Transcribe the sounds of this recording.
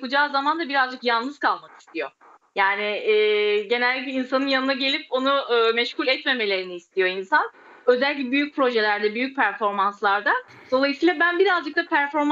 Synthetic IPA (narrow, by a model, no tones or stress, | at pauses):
kud͡ʒaːzamand̪abiɾazd͡ʒɯkjalnˠnɯz̥kʰalˠmaki̥st̪ijo̞ | jaːnɪɛːɟe̞nælʲd̪ʲicɛinsanɯnjanɯnaɟe̞lʲipo̞nuɯːmɛʃkulʲɛt̪me̞me̞lʲe̞ɾiniːst̪ʰijo̞insan | ø̞zælʲlʲibyjyc̚ʲpʰɾo̞ʒe̞lʲæɾd̪ɛbyjyc̚pʰæɾfo̞ɾmanslˠaɾd̪a | d̪o̞lˠajɯsiːlˠabænbiɾazd͡ʒɯk̚t̪apʰæɾfo̞ɾm